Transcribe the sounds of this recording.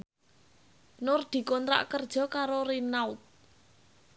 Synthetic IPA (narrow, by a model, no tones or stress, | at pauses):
nʊrd̪̥i̤kɔnt̪ɾa̰ʔkərd̥ʒ̥ɔ̤kaɾoɾinaut̪̚